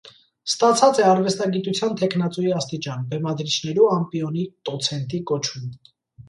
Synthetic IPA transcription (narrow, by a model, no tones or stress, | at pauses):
st̪ɑt͡sʰɑt͡sɛɑɾvɛst̪ɑɡit̪ut͡sʰjɑnt̪ʰɛknɑt͡sujiɑst̪it͡ʃɑnbɛmɑd̪ɾit͡ʃʰnɛɾuɑmpiɔnit̪ɔt͡sʰɛnt̪ikɔt͡ʃʰum